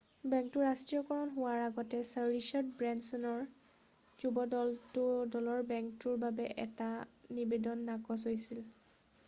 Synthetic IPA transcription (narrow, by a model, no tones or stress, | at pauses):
bɛŋk̚tʊɹastɹijɔkɔɹɔnɦʊwaɹaɡɔtɛsaɹɹisɔtbɹɛnsɔnɔɹ | zubɔdɔltʊdɔlɔɹbɛŋktuɹbabɛʔɛtanibedɔnːakɔs̬ɦojsil